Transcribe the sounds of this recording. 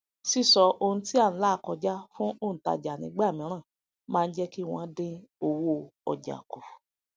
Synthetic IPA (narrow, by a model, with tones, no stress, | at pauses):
si˦˨sɔ˧ʔo˧nũ˧ti˦ã˦˨˦la˦˨kɔ˧d͡ʒa˦fũ˦ʔõ˦˨ta̰˧d͡ʒa˨nĩ˧˦ɡ͡ba˦˨mĩ˨˦ɾ̃ã˦˨ | mãː˦˧n̩˦d͡ʒɛ˦ki˦w̃ɔ̃˧˦dẽ˧o˧wo˦˨ɔ̰˨d͡ʒa̰˨ko˨